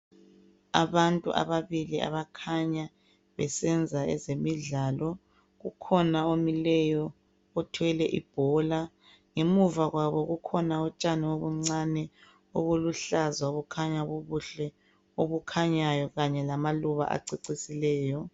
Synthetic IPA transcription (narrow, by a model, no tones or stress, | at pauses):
a̰βantʼṵʔa̰βaβiliʔa̰βakʰaɲa | βɛsɛnd͡zʱaɛ̰zemiɮaːlɔ | ɣukʰɔnaomilɛjɔ | ɔtʰwɛlɛʔḭb̥ʱɔla | ŋemuvaɣwaβɔɣukʰɔnaɔt͡ʃʼanioβuŋ͡ǀanɛ | oɣuluɬazwaoβukʰaɲaβoβuɬɛ | oβukʰaɲajɔɣaɲɛlamaluβa̰ʔa̰ǀiǀisilɛːjɔ